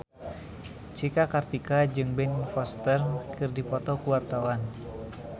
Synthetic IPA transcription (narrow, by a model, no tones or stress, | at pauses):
t͡ʃikakart̪ikad͡ʒɨŋbɛnfɔst̪ərkʰɨrdipɔt̪ɔkuwart̪awan